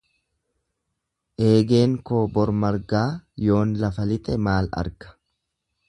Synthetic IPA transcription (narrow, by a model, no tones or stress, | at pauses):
ʔe̞ːɡe̞ːŋkoːbɔɾmɐɾɡaːjo̞ːnlɐfɐlɪt̪ʼɛmaːlɐ̰ɾɡɐ̥